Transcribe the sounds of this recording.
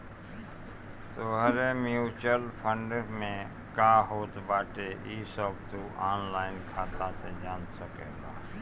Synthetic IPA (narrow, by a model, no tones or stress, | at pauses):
t̪oːɦəɾemjuːt͡ʃəlpʰə̃ɳɖɾmẽ | kaɦoːt̪baːʈeʔiːsɔb̚t̪uʔaːnlaːɪnkʰaːt̪ased͡ʒaːnsəkeːɡa̰ː